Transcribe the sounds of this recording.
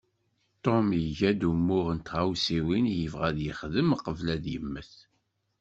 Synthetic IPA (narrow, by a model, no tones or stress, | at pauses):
t̪ˤːomjəʝæd̪umːʊʁənt̪ʁawsiwinjəvʁæðjəχðəmqəvlæðjəmːəθ